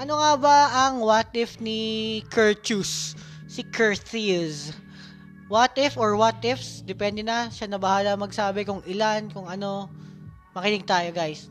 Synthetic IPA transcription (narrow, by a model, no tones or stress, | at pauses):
ʔɐno̞ŋabɐɐŋwat̪ʔɪfnɪkʰɛɹt͡ʃusː | ɪkʰɛɹθis | wat̪ɪfoɹwɐt̪ʔɪfsd̪ɛpɛnd̪ɛnɐʃanɐbɐhaːlɐɐŋmɐɡsaːbɛkʊŋʔɪlankʊŋɐno̞ | mɐkɪnɪɡ̚t̪aːjo̞ɡajs